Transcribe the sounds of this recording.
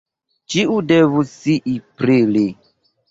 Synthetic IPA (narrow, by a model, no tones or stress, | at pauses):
t͡ʃiudɛvusiʔipɾili